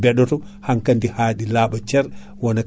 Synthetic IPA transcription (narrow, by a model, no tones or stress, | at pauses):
bɛɗɔtɔ | haŋkandihaːɗilaːɓat͡ʃɛɾ | wɔna